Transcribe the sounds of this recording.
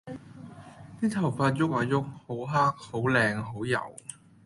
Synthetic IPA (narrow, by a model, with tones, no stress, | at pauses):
t̪iː˥t̪ʰɐ˨˩wfaː˧t̚jʊ˥k̚aː˨˩jʊ˥k̚ho˨˥wɦaː˥k̚ho˨˥wlɛː˧ŋɦo˨˥wjɐ̰˨˩w